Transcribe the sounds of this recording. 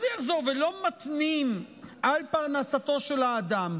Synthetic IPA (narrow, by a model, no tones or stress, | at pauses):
zjaχzo̞ʁvelo̞mat̪nim | ʔalpaʁnasat̪o̞ʃe̞laːd̪am